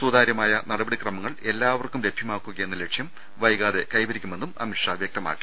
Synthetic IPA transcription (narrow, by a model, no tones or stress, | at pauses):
suːd̪ʱaːɾjɐmaːjɐnɐɽɐbɐɽikrɐmɐŋːɐɭe̞lːaːʋɐrkumle̞bʱjɐmaːkːuɣɐjenːɐle̞kʂjɐm | ʋɐjɣaːðe̞kɐjbɐɾikʲːume̞nːumɐ̰mikʂɐʋjɐk̚t̪ɐma̰ːkːi̥